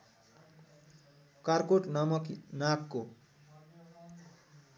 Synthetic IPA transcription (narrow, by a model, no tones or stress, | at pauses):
karkoʈnamʌknakːo